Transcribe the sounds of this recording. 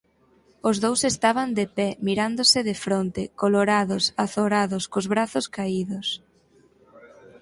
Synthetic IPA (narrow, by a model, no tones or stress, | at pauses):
ozðowsest̪aβ̞and̪epɛmiɾand̪osɪðefɾont̪ekoloɾaðʊsaθoɾaðʊskozβɾaθʊskaiðʊs